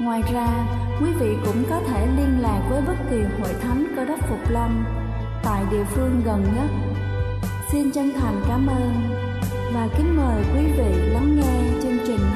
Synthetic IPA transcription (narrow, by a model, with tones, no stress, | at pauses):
ŋwaː˨˩jzaː˧ | kwi˨˦vḭ˧˨kʊ̰˧˥ŋ͡mkɔ˨˦t̪ʰe˧˩li˧ənla̰ː˨˩k̚vəː˨˦jɓə˦˥t̚ki˨˩ho̰˧˨jt̪ʰa˨˦jŋnkɔ˧˩ɗə˦˥t̚fʊ˨˩k͡p̚lə˧wŋ͡m | t̪a̰ː˧˨jɗḭ˧˨əfɨ˧əŋɣə˨˩nɲə˦˥t̚ | si˧nt͡ɕa˧ŋt̪ʰa˨˩jŋ̟kaː˨˦mʔəː˧n | vaː˨˩ki˨˦ŋ̟məː˨˩jkwi˨˦vḭ˧˨la˨˦ŋːe˧t͡ɕɨ˧nt͡ɕï˨˩ŋ̟